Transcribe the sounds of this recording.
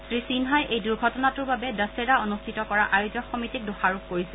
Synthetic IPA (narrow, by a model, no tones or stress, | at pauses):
sɹisinɦajejduɹɡʱɔtɔnatuɹbabɛdəsedaonustʰitɔkɔɹaʔajuzɔkxɔmitik̚doxaɹukːoɹisil